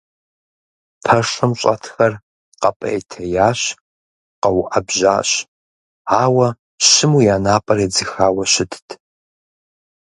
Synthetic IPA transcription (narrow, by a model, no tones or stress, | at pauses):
pʰɐʂʷɐmɕʷʼɐ̰tʰxɐr | qɐpʼɐ̰etʰɐjaːɕ | qɐwʔɐbʒa̰ːɕ | aːwɐ | ɕɪmujaːnaːpʼɐɾed͡zɨxaːwɐʃɪtʰtʰ